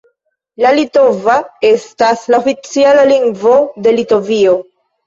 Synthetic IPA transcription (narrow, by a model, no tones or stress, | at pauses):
lalito̞vae̞staslaofit͡sialaliŋɡvo̞de̞lito̞vio̞